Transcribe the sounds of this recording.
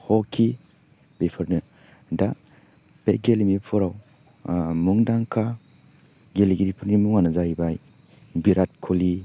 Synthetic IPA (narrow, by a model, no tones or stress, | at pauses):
hɔkʰi | bepʰɯɾnɯ | da | beɡelimipʰuɾaw | muŋdaŋkʰa | ɡeliɡiɾipʰɯɾnimuŋanɯzajbaj | biɾat̚kʰuli